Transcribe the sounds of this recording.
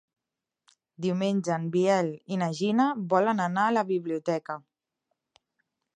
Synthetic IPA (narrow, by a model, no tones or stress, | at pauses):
d̪iumenʲd͡ʒanbiɛlinaʒinaβɔlənanaːləβiβliut̪ɛkə